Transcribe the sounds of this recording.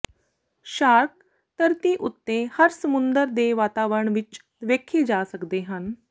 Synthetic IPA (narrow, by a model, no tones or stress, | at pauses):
ɕaɾk̚ | t̪əɾt̪iːʔut̪ːehəɾsəmund̪əɾd̪eʋat̪aʋəɾəɳʋit͡ʃ | ʋekʰiːd͡ʑasəkd̪eɦan